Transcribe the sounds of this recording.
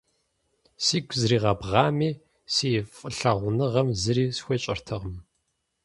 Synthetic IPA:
siːɡʷʰzriːʁɐbʁɑːmiː | sifʼɨɬɐʁʷʊnɨʁɐmzɨɾiːsxʷeɕʼɪrtʰɐʁmɨ

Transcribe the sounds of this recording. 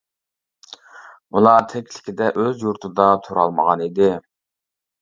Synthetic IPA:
ulˠɑt̪ʰɛkʲʰlɪ̥kʲɪd̪ɛʔøzjuɾt̪ʰɨd̪ɑt̪ʰuɾɑlˠməʁɑnid̪ɪ

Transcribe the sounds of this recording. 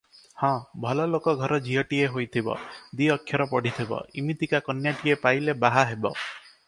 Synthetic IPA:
hɔ̃bʱɔlɔlokɔɡʱɔɾɔd͡ʒʱiɦɔʈieɦojt̪ʰibɔ̰d̪iɔkʰjɔɾɔpɔɽ̤it̪ʰibɔ̰imit̪ikakɔnjaʈiepajlebaɦaɦebɔ

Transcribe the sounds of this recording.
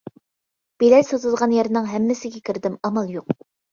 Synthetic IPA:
b̥elɛlsɑt̪ʰɨlˠʁɑnjɛɾnɨŋɦɛmːɪsɪɡʲɛkʲʰiɾd̪ɪmɑmɑlˠjoq̚

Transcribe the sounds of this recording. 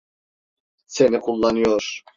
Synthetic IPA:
senikʰulˠːanɯjoɾ̥

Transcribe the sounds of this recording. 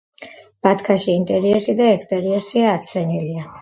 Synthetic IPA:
b̥at̪kʰaʃiːnt̪ʼɛɾiɛɾʃid̪aɛkst̪ʼɛɾiɛɾʃiaːt̪sʰɾɛnilia

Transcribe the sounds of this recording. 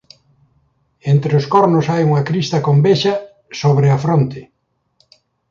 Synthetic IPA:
ent̪ɾeʊskoɾnʊsajuŋɐkɾist̪ɐkombeʃɐ | soβɾeɐfɾont̪ɪ

